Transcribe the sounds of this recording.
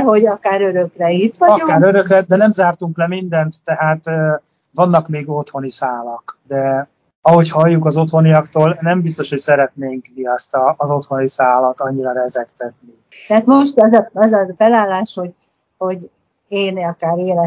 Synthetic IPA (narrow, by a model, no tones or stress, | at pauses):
ɦo̞ɟɒkaːɾøɾø̞krɛit̪ːʋɒɒɟokaːɾøɾø̞krɛd̪ɛnɛmzaːrt̪uŋklɛmind̪ɛnt̪ːɛɦaːt̪ː | vɒnːɒkmeːɡo̞t̪ho̞nisaːlɒkd̪ɛ | ɒɦo̞chɒjːukɒzo̞t̪ho̞nijɒkt̪oːlnɛmbist̪o̞ʃhocsɛɾɛt̪neːŋkmiɒst̪ɒːzo̞t̪ho̞nisaːlɒt̪ɒɲːiɾɒɾɛzɛkt̪ɛt̪ni | t̪ɛɦat̪moʃt̪ɛzɒɛzɒfɛlaːlːaːʃho̞ɟ | ho̞ɟ | eːnɒkaːɾeːɾɛ